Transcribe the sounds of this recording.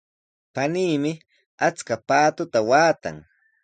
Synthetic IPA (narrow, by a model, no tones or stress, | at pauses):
paniːmɪ | at͡skapaːt̪ʊt̪awaːt̪a̰ŋ